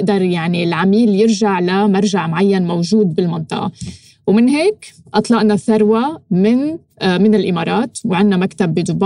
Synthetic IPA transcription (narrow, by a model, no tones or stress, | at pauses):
ʔd̪ɑɾˤjaʕnilʕamiːljɪɾʒaʕlamaɾˤʒaʕmʕajːanmowʒuːd̪̚bɪlmɪnt̪ˤɨ̰ʔɑ̰ | wmɪnɦeːk | ʔɑt̪ˤlɑʔnaθaɾˤwamɪn | mɪnɪlʔɪmɑːɾˤɑːt̪wʕɪnːamakt̪abːɪd̪ʊb